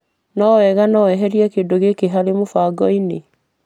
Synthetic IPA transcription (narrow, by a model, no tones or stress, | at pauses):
nɔwɛɣanɔwɛɦɛɾiɛkeːndoɣekeɦaɾemofaɡɔine